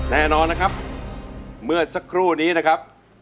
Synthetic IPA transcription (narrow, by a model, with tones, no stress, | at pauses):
nɛː˥˩nɔː˧nːa˦kʰa˦˥p̚ | mɯ˥˩ɐsa˦˥kʰɾuː˥˩niː˦˥na˦˥kʰa˦˥p̚